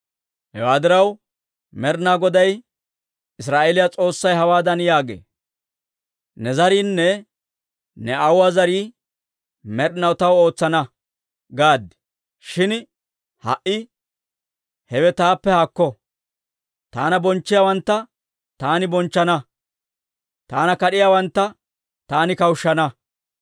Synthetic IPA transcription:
hɛwaːd̪ɪɾɐw | mɛɾnaɡɔd̪ɐj | ɪs̬ɾaːʔɛlɪjat͡sʼo̞ːsːɐjɦɐwaːd̪ɐnjaːɡḛː | nɛzɐɾiːnːɛ | nɛɐwaːzɐɾiː | mɛɾnɐwt̪ɐwo̞ːt͡sːɐnɐ | ɡaːd̪ɪ̥ | ʃɪn | hɐ̰ʔɪ | hɛwɛt̪aːpːɛhakːɔ | t̪aːnɐbɔnt͡ʃːɪjaːwɐnt̪ːɐ | t̪aːnɪbɔnt͡ʃːɐnɐ | t̪aːnɐkɐɗɪjaːwɐnt̪ːɐ | t̪aːnɪkɐwʃːɐnɐ

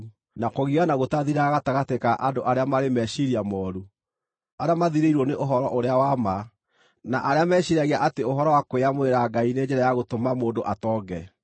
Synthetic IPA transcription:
nakoɣiɣanaɣotaðiɾaɣataɣatekaʔandoʔaɾeamaɾemɛʃiɾiamɔːɾu | aɾeamaðiɾeiɾwɔneʔoɦɔɾɔʔoɾeawama | naʔaɾeamɛɕiɾaɣeaʔateoɦɔɾɔwakweamoeɾaɡained͡ʒɛɾajaɣotomamoːndoʔatɔɡɛ

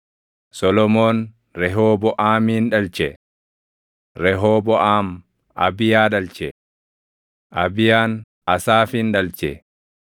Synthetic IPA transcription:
sɔlɔmoːn | ɾɛɦoːbɔʔaːmiːnɗɐlt͡ʃɛ | ɾɛɦoːbɔʔaːm | ʔɐ̰bɪjaːɗɐlt͡ʃɛ | ʔɐbɪjaːn | ɐsaːfinɗɐlt͡ʃɛ̰

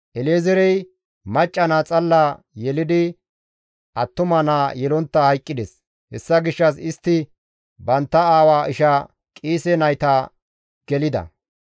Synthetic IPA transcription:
ʔɛleːzɛɾɛj | mɐt͡ʃʼːɐnaːt͡sʼɐlːa | jɛlɪd̪ɪ | ʔɐt̪ːʊmɐnaːjɛlɔnt̪ːɐhɐjkʼːɪd̪ɛs | hɛsːɐɡɪʃːɐsɪst̪ːɪ | bɐnt̪ːɐaːwaːʔɪʃɐ | kʼiːsɛnɐjt̪ɐ | ɡ̥ɛlɪd̪ɐ̰

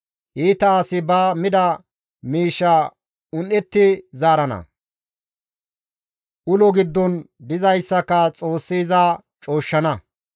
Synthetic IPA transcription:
ʔiːt̪ɐːsɪbaːmɪd̪ɐ | miːʃːɐ | ʊnʔɛt̪ːɪzaːɾɐnɐ̰ | ʔʊlɔɡɪd̪ːɔnd̪ɪzɐjsːɐkːɐt͡sʼo̞ːsːiːzaː | t͡ʃʼo̞ːʃːɐnɐ

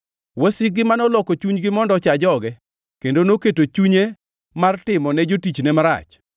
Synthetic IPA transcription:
wɛsɪɡɪmanɔlɔkot͡ʃuɲɡɪmɔndɔt͡ʃad͡ʒɔɡɛ | kendonoketot͡ʃuɲe | martɪmɔnɛd͡ʒotit͡ʃnɛmaɾa̰t͡ʃ

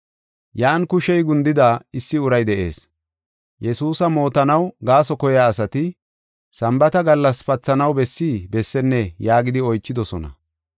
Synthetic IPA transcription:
jaːnkʊʃɛjɡʊnd̪ɪd̪aɪsːɪʊɾɐjd̪ɛʔe̞̰ːs | jɛsuːsɐmo̞ːt̪ɐnɐwɡaːsɔkɔjaːsɐt̪ɪ | sɐmbɐt̪ɐɡɐlːɐsfɐt͡sːɐnɐwbɛsːiːbɛsːɛnːɛjaːɡɪd̪ɪɔjt͡ʃːɪd̪ɔsɔnɐ̰

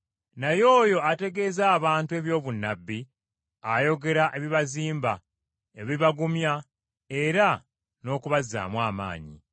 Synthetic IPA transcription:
najo̞ːjo̞ate̞ɡe̞ːzaːβaːntue̞βjo̞ːβunːabːi | ajo̞ɡe̞ɾaʔe̞βiβaziːmba | eβiβaɡumja | eɾa | no̞ːkuβazːa̰ːmwaːma̰ːɲḭ

